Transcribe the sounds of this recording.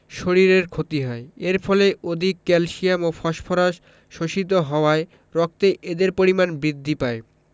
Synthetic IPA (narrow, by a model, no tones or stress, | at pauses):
ʃoɾiɾeɾkʰot̪iɦɔeeɾfʰɔleʔod̪ʱikːɛlʃijamofʰɔʃpʰoɾaʃ | ʃoʃit̪̬oɦɔoae | ɾɔk̚t̪eʔed̪eɾpoɾimanbɾid̪ʱːipae